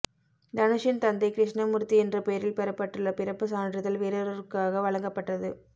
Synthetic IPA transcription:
d̪ɐnɯʂɪnt̪ɐnd̪ɐɪkɾɪʂnɐmʊɾt̪ːiɛndrɐpeːɾɪlpɛɾɐpːɐʈːɯɭːɐpɪɾɐpːɯsaːndrɐðɐlʋeːɾɐɾɐɾkaːɣɐʋɐɭɐŋɡɐpːɐʈːɐðɯ

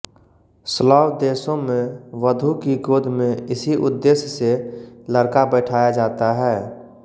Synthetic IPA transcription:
slɔːwd̪eːsõmẽʋəd̪ʱukiɡoːd̪ʱmẽɪsiʔʊd̪ːeːsjəseləɾkabɛːʈʰaːjad͡ʒaːt̪aɦɛː

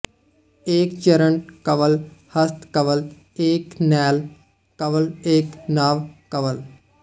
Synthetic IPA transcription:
eːkt͡ʃɐɾəɳkɐʋəlhɐst̪kɐʋəl | eːknɛːl | kɐʋəleːknaːʋkɐʋəl

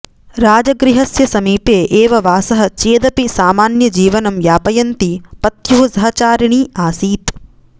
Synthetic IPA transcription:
ɾaːd͡ʒɐɡɾiɦɐsjɐsɐmiːpeːʔeːʋɐʋaːsɐɦɐ̆t͡ʃeːd̪ɐpisaːmaːnjɐd͡ʒiːʋɐnɐmʋjaːpɐjɐnt̪ipɐt̪juɦɐsɐɦɐt͡ʃaːɾiɳiːaːsiːt̪

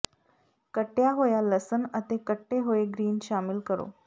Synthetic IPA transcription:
kəʈjaɦojaləsənət̪ekəʈːeɦoeɡɾiːnɕamilkəɾo̰

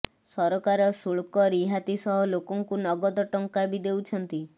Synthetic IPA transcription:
sɔɾɔkaɾɔsuɭkɔɾiɦat̪isɔɦɔlokɔŋkunɔɡɔd̪ɔʈɔŋkabid̪ewt͡ʃʰɔnt̪i

